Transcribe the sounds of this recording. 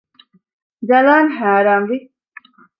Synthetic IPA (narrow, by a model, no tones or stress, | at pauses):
d͡ʒɐlaːnɦaːɾaːmʋi